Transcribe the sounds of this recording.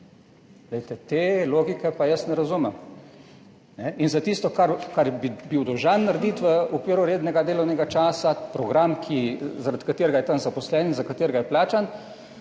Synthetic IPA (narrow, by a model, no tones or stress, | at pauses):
lejt̪ɛt̪eːloːɡikɛpajəsnɛɾazumɛm | nɛinzat̪ist̪ɔkaɾkaɾjbibiwd̪ɔʒanːaɾd̪iːt̪ʋəɔkʋiːɾuɾeːd̪nɛɡad̪eːlɔwnɛɡat͡ʃaːsapɾɔɡɾamkʰizaɾat̪kat̪eːɾɡajɛt̪anzapɔslɛːnizakat̪eːɾɡajɛplaːt͡ʃan